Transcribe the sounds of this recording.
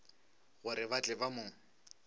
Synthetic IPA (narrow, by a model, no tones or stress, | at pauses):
ɣʊɾɪbat͡ɬʼɪbamʊːŋ̩